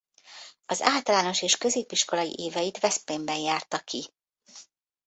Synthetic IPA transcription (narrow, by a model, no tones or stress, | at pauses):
ɒza̰ːlt̪ɒlaːno̞ʃeːʃkøzeːpiʃko̞lɒjḭʔeːvɛjit̪vɛspeːmbɛjjaːrt̪ɒki